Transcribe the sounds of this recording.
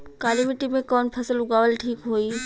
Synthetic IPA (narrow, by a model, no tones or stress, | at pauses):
kaːlimɪʈimẽkɔːnpʰɐsəlʊɡaːʋəlʈʰiːkɦoːiː